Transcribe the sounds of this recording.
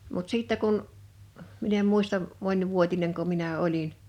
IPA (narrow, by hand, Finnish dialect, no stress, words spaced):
mut siˑtːæ kun min em muistɑm monʲʋuotineŋko minæ olin